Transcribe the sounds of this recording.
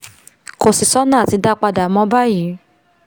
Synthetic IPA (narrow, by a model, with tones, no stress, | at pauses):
ko˧˨si˨sɔ˦nãː˦˨ti˨˧˦da˦k͡pa˧da˨mɔ̃˧˦ba˦ji˨˦